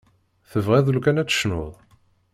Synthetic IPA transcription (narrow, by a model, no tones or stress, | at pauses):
θəvʁiðˤəlkænæt͡sːə̥ʃno̰ðˤ